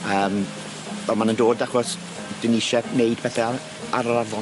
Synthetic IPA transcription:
əːm | vɛlˠmanəndoːdaχɔs | d̥ɪniʃɛneɨd̥̚pʰɛθɛ | aɾɔɾavɔ

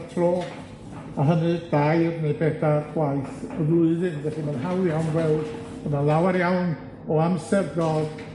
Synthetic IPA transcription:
tʰroː | aɦənɨd̥ajrnebɛdarɡ̥wajθɔðlʊɨðɨnvɛɬimanɦawjawnvwɛlˠd̥ | b̥ənalˠawaɾjawn | ɔamsɛrdɔd̥

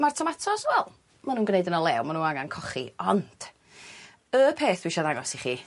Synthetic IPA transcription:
martʰɔmatʰɔswɛlˠ | manuːnɡneɨdənɔlˠɛwmanuːnaŋankʰɔχḭɔnd̥ | əpʰeːθd̥wɪʃɔðaŋɔsiχiː

